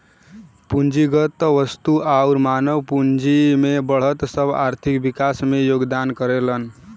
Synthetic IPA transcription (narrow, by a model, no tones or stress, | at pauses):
pund͡ʒiɡət̪ːəʋəst̪uʔauɾmanəwpund͡ʒimebəɭ̤ət̪səbʱa̰ɾt̪ʰikbikasmejoɡd̪ankəɾelən